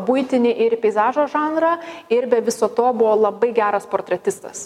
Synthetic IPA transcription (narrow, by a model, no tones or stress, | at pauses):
bʊɪt̪ʲɪnʲɪʔɪɾpʲɛɪzɑːʒoːʒɑːnɾɐɪɾbʲɛʋʲɪsoːt̪oːbʊʋoːlˠɐbɐɪɡʲæːɾɐspoːrt̪ʲɾʲɛt̪ʲɪst̪ɐ̰s